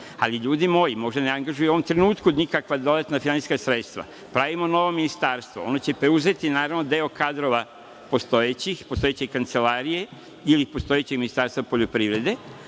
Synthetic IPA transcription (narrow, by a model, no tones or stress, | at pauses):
aliʎuːd̪imo̞jimo̞ʒd̪aneaŋɡaʒujuo̞ʋomt̪ɾe̞nuːt̪kunikakʋad̪o̞d̪at̪nafinani̥skasɾet̪st̪ʋa̰ | pɾaʋimo̞no̞ʋo̞minist̪aːɾst̪ʋo̞̰o̞not͡ɕe̞pɾe̞uze̞t̪inaːɾaʋno̞d̪e̞o̞kad̪ɾo̞ʋa | po̞st̪o̞jet͡ɕixpost̪o̞jet͡ɕekant̪se̞laːɾije̞ | ilipo̞st̪o̞jet͡ɕeɡminist̪aɾst̪vapo̞ʎopɾiʋɾe̞d̪e̞